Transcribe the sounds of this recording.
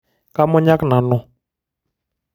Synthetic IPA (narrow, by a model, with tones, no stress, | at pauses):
ka˦mɔ˦ɲa˦kna˨nɔ˨